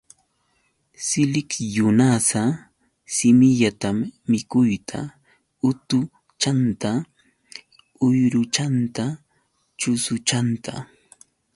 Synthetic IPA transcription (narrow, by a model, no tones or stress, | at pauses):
sɪlɪkjʊnasa | sɪmɪʎat̪amːɪkʊjt̪ʰa̰ | ʊt̪ʊ | t͡ʃant̪a | ʊjɾʊt͡ʃant̪a | t͡ʃʊsʊt͡ʃant̪a̰